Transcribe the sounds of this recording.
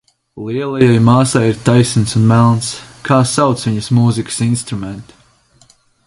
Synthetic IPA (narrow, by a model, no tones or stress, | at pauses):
lˠiɛlˠajajmaːsajiɾt̪ajsinsunmælˠnskʰaːsawt̪sviɲɐsmuːzikə̥sinst̪ɾumɛnt̪